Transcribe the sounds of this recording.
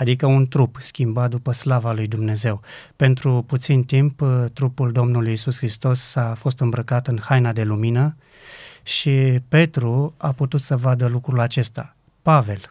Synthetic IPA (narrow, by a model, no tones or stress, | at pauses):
ad̪ikəunt̪ɾupskʲimbat̪̚d̪upəslavalujd̪umne̞ze̞wpe̞nt̪ɾuput̪sint̪impt̪ɾupuld̪o̞mnulujisusxɾist̪o̞sːafo̞st̪ɨmbɾəkat̪ɨnhajnad̪e̞luminə | ʃipe̞t̪ɾuaput̪ut̪səvad̪əlukɾulat͡ʃe̞st̪a | pave̞l